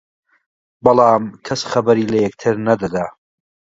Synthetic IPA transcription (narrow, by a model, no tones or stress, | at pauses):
bɐlˠɑːmkʰɐsxɐbɐɾiːlɐjɛk̚t̪ʰɨɾnɐd̪ɐd̪aː